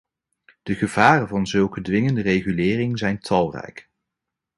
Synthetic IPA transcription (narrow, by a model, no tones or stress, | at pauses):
d̥əχəv̥aːrənvɑnzɵlˠkədʋɪŋəndərejχylɪːrɪŋzɛjntʰɑlˠrɛ̰jk